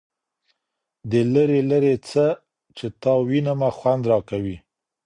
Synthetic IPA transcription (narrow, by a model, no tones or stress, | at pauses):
d̪ələɾeləɾet͡sə | t͡ʃet̪ɑwinamaxwand̪ɾɑkawi